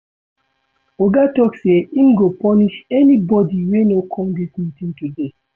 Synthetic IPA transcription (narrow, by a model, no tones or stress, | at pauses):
oɡatɔkseĩmɡopɔniʃɛnibɔdiwenokʰɔ̃mdismĩtĩntude